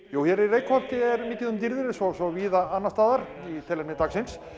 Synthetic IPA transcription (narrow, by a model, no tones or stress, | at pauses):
joːwçɛɾirejkʰɔn̥t̪ɪɛɾmɪːc̪ɪðʏmt̪iɾðɪɾɪsɔsɔviːðaanːast̪aːðaɾ | it̪ʰɛlɛmnɪt̪aksɪns